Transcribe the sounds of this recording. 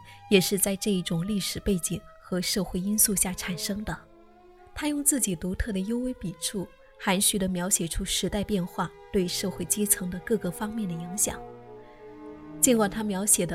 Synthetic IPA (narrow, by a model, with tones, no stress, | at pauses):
jɛ˨˩ʂɻ̩˥˧t͡sa˥˧ɪʈ͡ʂɤ˥˧i˥˩ʈ͡ʂʊ˨˩ŋli˥˩ʂɻ̩˨˩pe˥˩ɪt͡ɕi˨˩ŋxɤ˧˥ʂɤ˥˧xwe˥˩ɪi˥nsu˥˧ɕja˥˩ʈ͡ʂʰa˨˩nʂɤ˥ŋd̪ə˨ | t̪ʰa˥jʊ˥˧ŋt͡sɹ̩˥˩t͡ɕi˨˩t̪u˧˥t̪ʰɤ˥˩d̪ə˩jo˥ʊwe˥ɪpi˨˩ʈ͡ʂʰu˥˩ | xa˧˥nɕy˥d̪ə˧mjɑ˧˥ʊɕjɛ˨˩ʈ͡ʂʰu˥ʂɻ̩˧˥t̪a˥˧ɪpjɛ˥˧nxwa˥˩t̪we˥˧ɪʂɤ˥˧xwe˥˩ɪt͡ɕi˥t͡sʰɤ˧˥ŋd̪ə˧kɤ˥˧ɡə˥˩fɑ˥ŋmjɛ˥˩nd̪ə˩i˧˥ŋɕjɑ̰˨˩˦ŋ | t͡ɕi˥nkwa˥˩nt̪ʰa˥mjɑ˧˥ʊɕjɛ˨˩d̪ə˦